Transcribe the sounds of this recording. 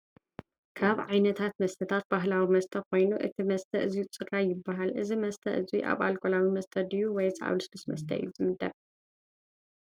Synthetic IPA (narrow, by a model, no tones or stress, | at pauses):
kʰaβʕajnɐt̪ʰat̪mɐst̪ʰɐt̪ʰat̪̚baɦlawimɐst̪ʰɐko̞jnuʔɨ̰t̪ʰimɐst̪ʰɐʔɨzijut͡sʼɨɾajɪbːaɦalʔɨzimɐst̪ʰɐʔɨziʔa̰βalkʼolawimɐst̪ʰɐd̪ɨjuwɔjt͡sʼʕa̰βlusbɨsmɐ̰st̪ʰɐ̰ʔɨ̰jːuzɨmɨd̪ɐβ